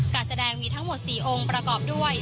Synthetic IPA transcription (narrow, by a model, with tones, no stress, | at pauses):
kaː˧nsa˧dɛː˧ŋmiː˧t̪ʰa˦˥ŋmo˨˩t̪̚siː˨˩ʔo˧ŋpɾa˧kɔː˨˩p̚du˥˩əj